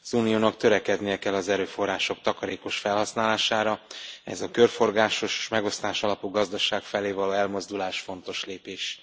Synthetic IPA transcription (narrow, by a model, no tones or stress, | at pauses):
zuːnijoːnɒkt̪øɾɛkɛd̪nijɛkɛlːɒzɛɾøːfo̞rːaːʃo̞k̚t̪ɒkɒɾeːko̞ʃfɛlhɒsnaːlaːʃaːɾɒɛ̰zɒkø̞rfo̞rɡaːʃo̞ʃe̥ʃmɛɡo̞st̪aːʃɒlɒpuɡɒzd̪ɒʃaːkfɛleːvɒloːɛlmo̞zd̪ulaːʃfo̞n̪t̪o̞ʃleːpeːʃ